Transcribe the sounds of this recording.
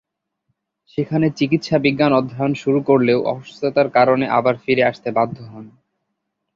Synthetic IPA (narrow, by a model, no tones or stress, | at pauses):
ʃekʰanet͡ɕikit̪ʃabiɡːanɔd̪ʱːajonʃuɾukoɾleoʔɔ̰oʃt̪ot̪aɾkaɾoneʔa̰baɾfiɾeaʃt̪ebad̪ʱːoɦɔn